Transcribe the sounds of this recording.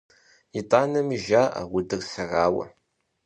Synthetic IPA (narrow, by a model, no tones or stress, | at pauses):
itʼaːnɐmiʒaːʔa̰wʊdɨrsɐraːwɐ̰